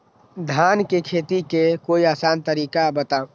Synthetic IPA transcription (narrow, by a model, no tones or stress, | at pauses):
d̪ʱaːnkekʰeːt̪ikekoːiaːsaːnt̪əɾiːkabət̪a